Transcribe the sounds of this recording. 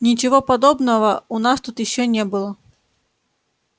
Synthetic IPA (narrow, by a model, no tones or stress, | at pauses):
nʲɪt͡ɕɪvopɐd̪obnəvəʊnast̪ut̪jɪɕːonʲebɨlˠə